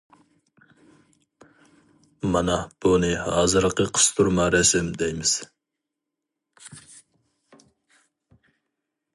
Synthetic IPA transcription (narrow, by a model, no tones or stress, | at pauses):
mɑnɑb̥unɨhɑːzɨɾqəqʰə̥st̪ʰuɾmɑɾɛsɪmd̪ɛjmɪz̥